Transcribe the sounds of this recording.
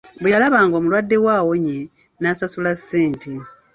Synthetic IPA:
bejalaβaːŋɡo̞ːmulwadːe̞waːwo̞ɲe | nasasulasːeːntʰi

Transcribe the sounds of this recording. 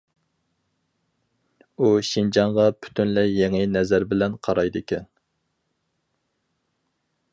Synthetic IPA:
uʃind͡ʒɑɴʁɑpʰy̥t̪ʰynlɛjeŋɪnɛzæɾbɪlɛnqʰɑɾɑjd̪ɨkʲɛn

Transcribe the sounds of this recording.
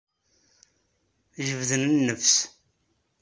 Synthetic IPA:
ʒəvðənənːəfs

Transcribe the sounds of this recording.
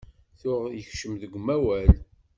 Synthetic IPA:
θʊʁjəçʃəmðəɡʷmæwæl

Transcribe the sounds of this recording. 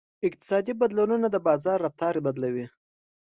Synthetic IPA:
ɪk̚t̪ɪ̥sɑd̪ibad̪lununad̪əbɑzɑrːaft̪ɑɾebad̪lawi

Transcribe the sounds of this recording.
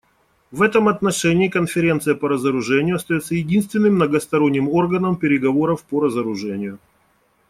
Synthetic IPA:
vɛt̪əmɐt̪nɐʂɛnʲɪːkənfʲɪɾʲe̞nt̪sɨjəpəɾəzəɾʊʐɛnʲɪjʊɐst̪ɐjot̪sːəjɪdʲinst̪vʲɪnːɨmnəɡəst̪ɐɾo̞nʲːɪmo̞rɡənəmpʲɪɾʲɪɡɐvo̞ɾəfpəɾəzəɾʊʐɛnʲɪjʊ

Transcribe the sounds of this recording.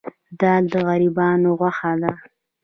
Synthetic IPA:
d̪ɑld̪əɣaɾibɑnoɣwaxad̪a

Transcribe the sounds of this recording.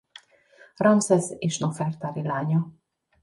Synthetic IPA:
rɒnsɛzeːʃnofɛrt̪aɾilaːɲɒ

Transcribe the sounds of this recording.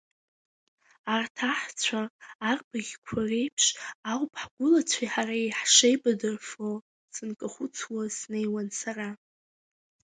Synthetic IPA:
artʰaħt͡sʷʰaːrbaɡʲkʷʰare̞jpʰʂawpʰħɡʷʊlat͡sʷʰaħaraiħʂejbadɨrfo | sɨnkʼaχʷʊt͡sʰwasnejwansara

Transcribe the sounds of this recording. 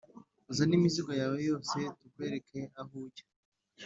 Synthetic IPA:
uzanimiziɡo̞jaːwejo̞ːse̞tukwe̞ɾekʰeaɦuɟḁ

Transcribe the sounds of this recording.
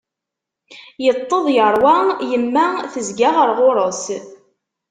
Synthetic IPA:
jət̪ˤːəðˤjəɾˤwajəmːæθəzɡaʁəɾʁoɾˤəs

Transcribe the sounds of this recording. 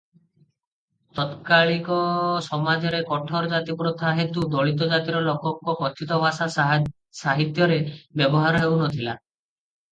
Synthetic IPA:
t̪ɔt̪kaɭikɔsɔmad͡ʒɔɾekɔʈʰɔɾd͡ʒat̪ipɾɔt̪ʰaɦet̪ud̪ɔɭit̪ɔd͡ʒat̪iɾɔlɔkɔŋkɔpɔt͡ʃ̪it̪ɔbʱasa | saɦit̪jɔɾebjɔbɔɦaɾɔɦewnɔt̪ʰila

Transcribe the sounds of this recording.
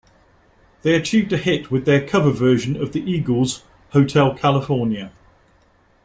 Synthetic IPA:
ðeɪət͡ʃʰiːvdəhɪʔwɪðəkʰʌvəvɜːˑʒə̃nəvðiʔiːɡəlˠz̥ | həʊtʰɛlˠkʰalɪfɔːnjə

